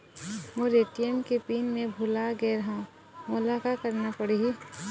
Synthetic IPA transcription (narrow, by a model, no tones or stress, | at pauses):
ʋõɾeːʈiemkepiːnmẽbʱʊlaɡeɾɐɦã | mʊlakakəɾnapəɽiɦi